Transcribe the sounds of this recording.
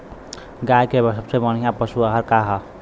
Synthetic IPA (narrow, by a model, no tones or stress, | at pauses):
ɡajkebəsəbsebəñ̤ijãpəsuəɦəɾkaɦə